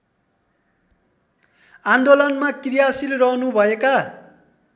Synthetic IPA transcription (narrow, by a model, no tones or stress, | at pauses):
and̪olʌnmakrijasilrʌɦnubʱʌeka